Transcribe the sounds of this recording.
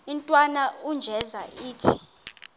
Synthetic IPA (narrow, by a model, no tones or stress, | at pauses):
intʼwanaund͡ʒʱɛzaiːtʰi̥